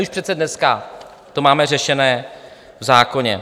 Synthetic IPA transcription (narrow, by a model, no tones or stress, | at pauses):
uʃpr̝ɛt̪sɛdnɛska | t̪o̞maːmɛrɛʃɛnɛː | vzaːko̞ɲɛ̰